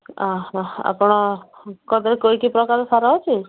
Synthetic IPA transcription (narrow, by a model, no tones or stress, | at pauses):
aa̰pɔɽ̃ɔkɔd̪ɾekojkipɾɔkaɾsaɾɔɦɔt͡ʃʰi